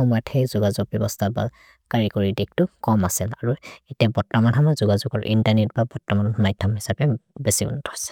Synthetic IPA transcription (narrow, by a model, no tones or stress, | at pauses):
xɔmɔjatxejzuɡazuɡ̚bjɔbɔstʰaba̰ | kaɹikoɹidik̚tʊkɔmasilaɹuetiabɔɹtɔmanɦamazuɡazuɡɔɹʔḭntaɹnet̚babɔɹtːɔmanɔmajtʰamɦisapɛbesibɔ̰ntɔhɔsɛ̥